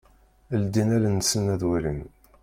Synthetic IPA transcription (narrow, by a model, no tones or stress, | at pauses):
əld̪inælənsənæðwæɾin